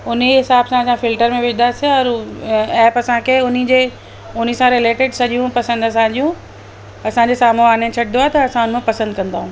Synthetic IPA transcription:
ʊniɦɪsaːbsãd͡ʑãfɪlʈəɾmẽʋɪd̪asiɔːɾɛːpɐsãkʰeʊn̤id͡ʑeː | ʊnisãɾɪleːʈɪɖsɐʄijũpɐsə̃nd̪ɐs̬ãːɲd͡ʑijũ | ɐsãɲd͡ʑesaːmuaːnẽt͡ɕʰɐʈɪnd̪oaːet̪ɐɐsãʊnmẽpɐsə̃nd̪kɐ̃nd̪aːɦũː

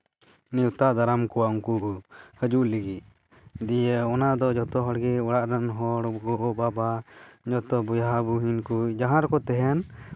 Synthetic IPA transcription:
niwut̪aʔd̪aɾamkuwauŋkuɡuhəd͡ʒuʔləɡiʔ̚ | d̪ijəɔnad̪ɔd͡ʒɔt̪ɔɦɔɽɡɛɔɽaʔɾənɦɔɽɡɔʔɔbabad͡ʒɔt̪ɔbujaɦabuɦinkud͡ʒaɦãɾkɔt̪ɛɦɛn

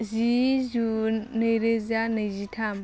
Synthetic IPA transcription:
zizunɯjɾɯzanɯjzitʰam

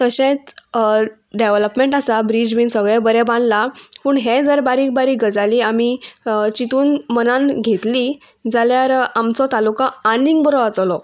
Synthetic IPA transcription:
t̪əɕẽt͡s | ɖeʋləpmeɳʈasabɾid͡ʑmiːnsəɡɭebəɾebãnlapuːɳɦed͡zəɾbaɾiːk̚baɾiːɡəd͡zaliːamit͡ɕit̪uːnmənãnɡʱet̪li | d͡zaljaɾamt͡sɔt̪alukãaniŋɡbəɾɔat̪lɔ

